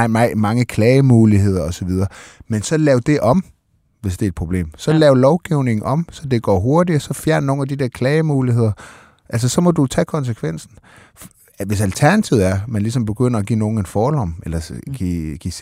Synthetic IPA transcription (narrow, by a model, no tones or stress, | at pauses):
mɑ̈ŋəkʰlɛːɪəmuːliɦe̝ð̞̰ˠɐɒ̽sɒ̽ʋið̞ˠɐːmensɒ̽lɛːʊd̥e̝ʔɒ̽m | ʋe̝sd̥e̝ɐɪd̥̚pʰʁo̝b̥le̝̰ːmsɒ̽lɛːʊlɒʊɡ̥iʊne̝ŋn̩ɒ̽msɒ̽d̥e̝ɡ̥ɒ̰ːɦo̝ɐd̥iɒsɒ̽fjæɐ̰nno̝ːn̩æd̥id̥eɐkʰlɛːɪəmuːliɦe̝ð̞̰ˠɐ | ʔæls̬ɐsɒ̽mɒ̽d̥ut͡sʰɛːkʰɒ̽ns̬əkʰʋen̰sn̩ | ʋe̝sælt͡sʰæɐnæt͡sʰiʊ̰æɐmænlis̬ɒ̽mb̥e̝ɡ̥øn̰ɐɒɡ̥ḭːno̝ːn̩e̝nfɒːlɒ̽melɐɡ̥iɡ̥i